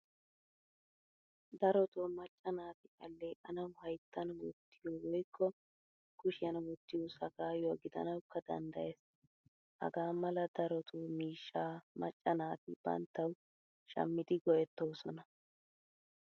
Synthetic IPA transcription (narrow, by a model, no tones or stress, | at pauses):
d̪ɐɾɔt̪oːmɐt͡ʃʼːɐnaːt̪ɪʔɐlːeːʔɐnɐwhɐjt̪ːɐnwɔ̰t̪ːɪjoːwɔjkʰːɔ | kʊʃɪjɐnwɔt̪ːɪjusɐɡaːjoːɡɪd̪ɐ̰nɐwkʰːɐd̪ɐ̰nd̪ɐjeːs | hɐ̰ɡaːmɐlɐd̪ɐɾɔt̪ʰuːmiːʃːaːmɐt͡ʃʼːɐnaːt̪ɪb̥ɐ̰nt̪ːɐw | ʃɐ̰mːɪd̪ɪɡɔjɛt̪ːoːsɔnɐ